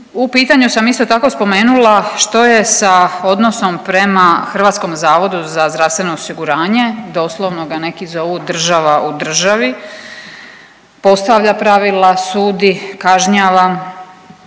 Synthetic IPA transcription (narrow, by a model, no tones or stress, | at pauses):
upiːt̪aɲusamist̪o̞t̪ako̞spo̞me̞ːnulaʃt̪o̞je̞sao̞d̪no̞so̞mpɾe̞maxr̩ʋat̪sko̞mzaːʋo̞d̪uzazd̪ɾaʋst̪ʋeno̞ːsiɡuɾaːɲe̞d̪o̞slˠoʋno̞ɡane̞kizo̞ʋud̪r̩ʒaʋaʔud̪r̩ʒaʋi | po̞st̪aʋʎapɾaʋilˠasuːd̪ikaʒɲaːʋa